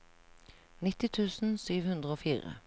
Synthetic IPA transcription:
nɪt̪ɪt̪ʰʉːsn̩syːʋhʉnd̪ʁəoːfiːʁə̰

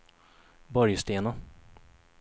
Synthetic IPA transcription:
bɔɾjst̪eːna

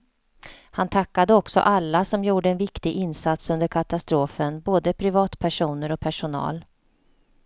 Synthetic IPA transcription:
hant̪ʰakːad̪əɔksɔ̰ʔalːasɔmjuːɖəɛnvɪkt̪ɪɡʔɪnsat̪sɵnd̪əɾkʰat̪ast̪ɾoːfənboːd̪əpʰɾɪvɑːt̪pʰæʂuːnəɾɔpʰæʂʊnɑ̰ːl

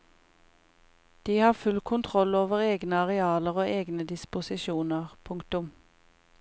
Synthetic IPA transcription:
d̪̥iːhɑːfʉlkʰʊnt̪ʰʁɔloːʋəʁeːɡnəɑʁɛɑːləʁoːʔeːɡnəd̪ɪspʊsɪʃuːnəʁpʰʊŋkt̪ʊm

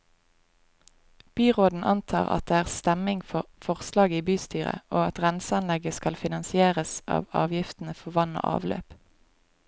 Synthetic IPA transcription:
b̥yːʁoːd̪n̩ʔɑ̰nt̪ʰɑ̰ːʁɑ̰t̪̚d̪eːæːʁst̪ɛmɪŋfɔʁfɔʁslɑːɡiːbyːst̪yːʁə̰oːɑt̪ʁɛnsəɑnlɛɡəskɑlfɪnɑnsɪeːʁəsɑ̰ːʋɑ̰ːʋjɪft̪n̩əfɔʋɑno̰ːʔɑ̰ːʋlø̰ːp

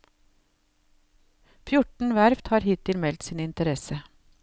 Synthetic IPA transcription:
fjʊʈɳ̩ʋæɾft̪hɑːɾhɪt̪ɪlmɛlt̪siːnɪnt̪əɾɛsə

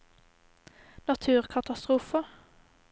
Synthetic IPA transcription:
nɑt̪ʰʉːʁkʰɑt̪ɑst̪ʁuːfə

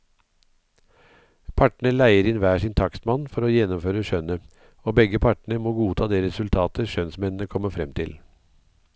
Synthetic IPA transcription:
pʰɑʈɳəlæɪəɾɪnʋæːʂɪnt̪ʰɑksmɑnfɔɾoːjɛnːʊmføːɾəʃœnə | oːbɛɡəpʰɑʈɳəmoːɡuːt̪ʰɑːd̪eːɾɛsʉlt̪ʰɑːt̪ʰəʃœnsmɛnn̩əkʰɔməfɾɛmt̪ʰɪl

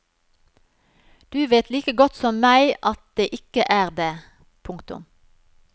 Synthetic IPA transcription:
d̪̥ʉːʋeːt̪ʰliːkəɡɔt̪sɔmmæɪʔɑt̪̚d̪eːʔɪkəʔæːʁd̪eː | pʰʊŋkt̪ʊ̰m

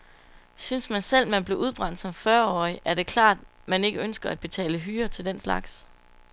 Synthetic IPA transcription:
synsmænsel̰mænb̥le̝ʔuð̞ˠb̥ʁɑ̈n̰d̥sɒ̽mfɶɐɒ̰ːiʔæɐɾ̥e̝kʰlɑ̰̈ːd̥ | mæne̝ɡ̥əønsɡ̥ɐæd̚b̥e̝t͡sʰɛ̰ːləɦyːɐt͡sʰe̝ld̥enslɑ̈ɡ̥s

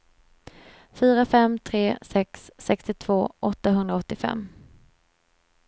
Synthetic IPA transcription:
fyːɾafɛmːt̪ʰɾeːsɛksːɛkst̪ɪt̪ʰv̥oːʔɔt̪ːaɦɵnd̪ɾaɔt̪ːɪfɛ̰mː

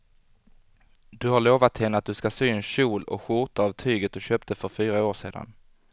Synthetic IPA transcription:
d̪̥ɵhaɭoːvat̪hɛnːəat̪̚d̪ɵskasyːnɕuːlɔ̰kɧʊɾt̪aːvt̪ʰyːɡət̪̚d̪ɵɕøːp̚t̪əfœɾfyːɾaoːʂeːd̪a̰n

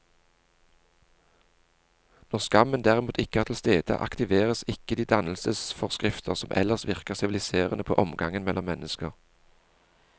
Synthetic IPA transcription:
nɔʁskɑmənd̪æːʁɪmuːt̪ʰɪkəhæːt̪ʰɪlst̪eːd̪̥ə̰ʔɑ̰kt̪ɪʋeːʁəsɪkəd̪iːd̪ɑnl̩səsfɔʁskʁɪft̪ʰəʁsɔmʔɛ̰ləʁsʋɪʁkəʁsɪʋɪlɪseːʁənəpʰo̰ːʔɔmɡɑŋənmɛlʔɔmːɛnəskəʁ

